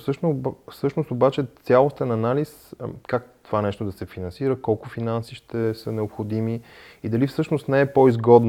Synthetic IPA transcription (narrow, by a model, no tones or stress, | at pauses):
fsɤʃnofsɤʃnost̪obat͡ʃɛt̪sʲjalˠost̪ɛnɐnaliskak̚t̪ovanɛʃt̪od̪ɐsɛfinɐnsiɾəkɔlˠkʊfinansiʃt̪ɛsənɛopxod̪imiid̪ɐlifsɤʃnost̪nɛɛpɔizɡɔd̪n